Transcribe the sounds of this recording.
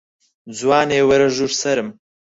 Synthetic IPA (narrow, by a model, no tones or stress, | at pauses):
d͡zwaːneːwɐɾɐʒuɾsɐɾɨm